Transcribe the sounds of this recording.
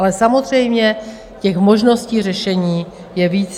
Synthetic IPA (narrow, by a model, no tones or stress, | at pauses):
lɛsamo̞zr̝ɛjmɲɛ | cɛxmo̞ʒno̞sciːr̝ɛʃɛɲiː | jɛviːt͡s